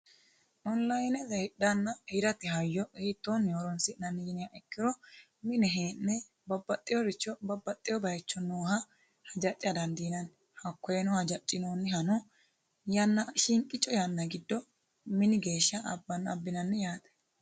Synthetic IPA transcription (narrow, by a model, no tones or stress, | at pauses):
ʔɔnlɐjnɛzɐhɪɗːɐnːɐhɪɾɐt̪ɪɦɐjːɔɛt̪ːoːnːjoːɾɔnsɪnɐniːnɪjaʔɛkːɪɾɔ | mɪnɛɦeːnːɛ | bɐbːɐt̪ʼːɪjɔɾɪt͡ʃːɔbɐbːɐt̪ʼːɪjɔbɐjt͡ʃːɔnoːhɐ | hɐd͡ʒɐt͡ʃʼɪɐd̪ɐnd̪inɐn | hɐkːɔjɛnɔhɐd͡ʒɐt͡ʃʼːɪnoːnːɛhɐnɔ | janːɐʃɪŋkʼɪt͡ʃʼːɔjanːɐɡɪd̪ːɔ | mɪnɪɡe̞ːʃːɐɐ̰bːɐnɐ̰bːɪnɐnːɛjaːt̪ʼɛ̥